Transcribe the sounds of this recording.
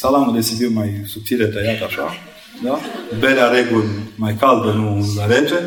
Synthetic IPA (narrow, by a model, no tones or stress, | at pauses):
salamud̪esibiwmajsup̚t̪ilət̪əjat̪aʃa | d̪abeɾeaɾeɡulʲmajkald̪ənulaɾene